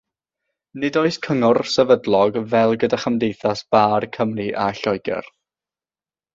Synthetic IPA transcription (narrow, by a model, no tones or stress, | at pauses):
nɪdoɨskʰəŋʊrsɛvədlˠɔɡvɛlˠɡədaχəmdejθasb̥aːrkʰəmriʔaɬɔjɡɛ̰r